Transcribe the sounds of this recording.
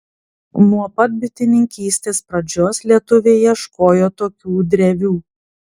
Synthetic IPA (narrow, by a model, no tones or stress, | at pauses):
nuɔpɐt̪̚bʲɪt̪ʲɪnʲɪŋʲkʲiːsʲt̪ʲeːspɾɐd͡ʒʲoːslʲiɛt̪ʊʋʲeːjɛʃkoːjoːt̪oːkʲuːd̪ʲɾʲɛʋʲuː